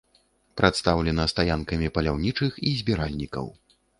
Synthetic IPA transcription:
pɾʔat̪st̪awlʲɛnɐst̪ajankɐmʲipɐlʲawnʲit͡ʂɨxizʲbʲɛɾalʲnʲikɐ̰w

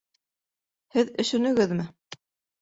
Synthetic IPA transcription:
hɘðɵ̆ʃɵ̆nɵ̆ɡɘðmɘ

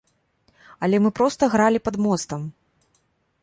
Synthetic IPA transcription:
ɐlʲɛmɨpɾɔst̪ɐɣɾalʲipɐd̪mɔst̪ɐm

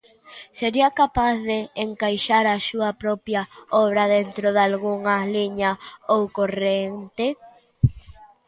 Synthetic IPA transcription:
seɾiɐkapaθðeːŋkajʃaɾɐsuɐpɾɔpjɐɔβɾɐðent̪ɾoðalɣuŋɐliɲɐowkorent̪e

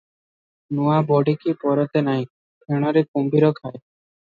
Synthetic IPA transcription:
nuabɔɖikipɔɾɔt̪enaj̃ | pʰeɽ̃ɔɾikumbiɾokʰae

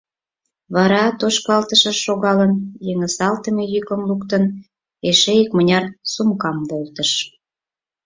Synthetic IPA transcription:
βɑɾɑt̪oʃkɑlt̪əʃə̆ʃoɣɑlənjeŋə̆sɑlt̪əmejykəmlukt̪ən | eʃeikmənʲɑrsumkɑmbolt̪ə̆ʃ

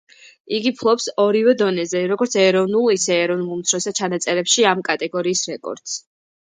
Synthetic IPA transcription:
iɡipʰlˠɔpsɔɾivɛd̪ɔnɛzɛɾɔɡɔɾt̪sʰɛɾɔvnulˠisɛːɾɔvnulˠmt̪sʰɾɔsat͡ʃʰanat̪sʼɛɾɛpʃiamkʼat̪ʼɛɡɔɾiːsɾɛkʼɔ̰ɾd̪̥s

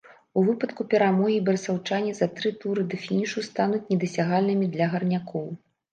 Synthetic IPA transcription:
uvɨpɐt̪kupʲɛɾamɔɣʲibɐɾsawt͡ʂanʲizɐt̪ɾɨt̪uɾɨd̪ɛfʲinʲiʂust̪anut͡sʲnʲɛd̪ɐsʲaɣalʲnɨmʲid̪lʲɐɣɐrnʲakʰɔw

